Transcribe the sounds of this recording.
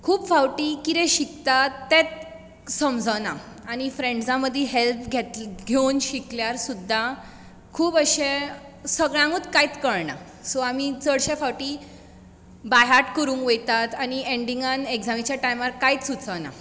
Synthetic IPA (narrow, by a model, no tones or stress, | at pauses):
kʰuːpfawʈikit̪ɛ̃ɕikt̪at̪ːet̪̚ | səmd͡zʱəna | añifɾẽɳɖd͡zãməd̪ʱːjeɦelpɡʱet̪ɡʱownɕikljaɾsud̪ʱːa | kʰuːbəɕe | səɡɭãŋɡut̪kait̪kəɭɳa̰ | sɔamit͡səɽɕefawʈiː | bajɦaɾʈkəɾũːŋkʋejt̪at̪añieɳɖiŋɡaneɡd͡zamit͡ɕjaʈajmaɾkait͡ssut͡səna̰